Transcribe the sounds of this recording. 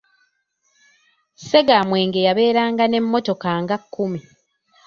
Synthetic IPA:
se̞ɡamwe̞ːŋɡejaβe̞ːɾaːŋɡane̞mːo̞to̞kaŋɡakʰːumi

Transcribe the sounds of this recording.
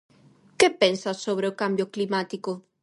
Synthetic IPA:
kepensasːoβɾeokambjoklimat̪iko

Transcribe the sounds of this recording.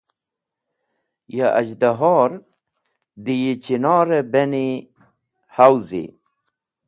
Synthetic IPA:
jaʔa̰d͡ʑd̪aɦɔːɾ | d̪ijit͡ɕinɔːɾebeni | hawzḭ

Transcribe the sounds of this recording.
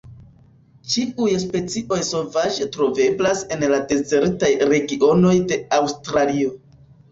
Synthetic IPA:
t͡ʃiujspe̞t͡siʔo̞jso̞lvaʒetɾo̞ve̞blase̞nlade̞ze̞ɾtajɾe̞ɡio̞no̞jde̞awstɾalio̞

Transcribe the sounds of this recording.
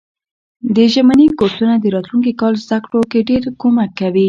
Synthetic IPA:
d̪əʒamanikoɾt̪unad̪əɾɑt̪luŋk̬ikɑlzd̪akɽokeɖeɾkomakːawi

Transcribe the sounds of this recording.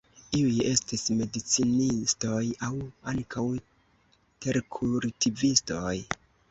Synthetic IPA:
iuje̞stisme̞dit͡sinisto̞jawaŋkʰaw | te̞ɾkʰuɾtʰivisto̞j

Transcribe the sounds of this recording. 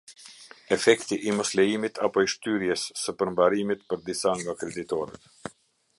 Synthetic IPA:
ɛfɛkt̪iʔimɔslɛjimit̪ʰapɔiʃt̪yɾjɛsːəpəɾmbaɾimit̪̚pəɾd̪isaŋɡakɾɛd̪it̪ɔɾɛ̰t̪

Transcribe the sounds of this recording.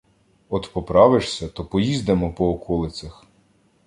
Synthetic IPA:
ɔt̪pɔpɾɑʋɪʃsʲɐt̪ɔpɔjizd̪emɔpɔːkʰɔlˠɪt͡sʲɐx

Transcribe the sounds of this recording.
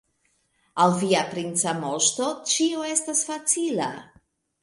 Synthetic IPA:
alviapɾint͡samo̞ʃto̞t͡ʃioe̞stasfat͡sila̰

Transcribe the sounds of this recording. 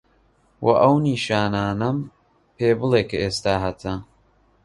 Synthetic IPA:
wʔɐʔɐwniːʃaːnaːnɐm | pʰeːbɨlˠeːkɐeːst̪aːɦɐt̪ʰɐ

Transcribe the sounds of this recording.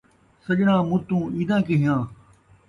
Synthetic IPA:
sɐʄɽãːmʊt̪ũːiːd̪ãːkɪɦɪjãː

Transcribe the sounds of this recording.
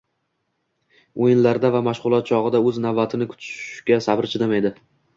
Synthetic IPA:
ojɪnlaɾd̪avamaʃʁʊlˠɒt̪̚t͡ʃʰɒʁɨd̪aɵznavbat̪ʰɪnɪkʰʊ̥t̪ʰʃkʲasabɪɾt͡ʃʰɪd̪emaed̪ɪ

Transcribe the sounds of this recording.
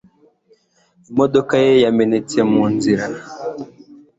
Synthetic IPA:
imodokajejamenɛtiɛmonziɾa

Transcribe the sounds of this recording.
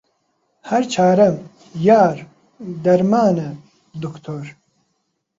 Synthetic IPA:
hɛɾt͡ʃʰaːɾɐm | jaːɾ | d̪ɐɾmaːnɐ | d̪ukt̪ʰoːɾ

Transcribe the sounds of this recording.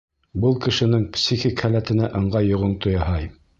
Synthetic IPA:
bɤlˠkɘ̆ʃɘ̆nɘŋpsʲixʲikhælæt̪ɘ̆næʔɤ̆ɴɢɑjŏʁɤnt̪ŏjɑɦɑj

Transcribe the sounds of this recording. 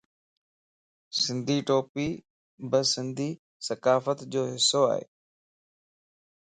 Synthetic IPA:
sɪ̃nd̪ʱiːʈoːpiː | bəsɪ̃nd̪ʱiː | sɐkaːfət̪d͡ʑoːɦɪsːoa̰ːɦḛː

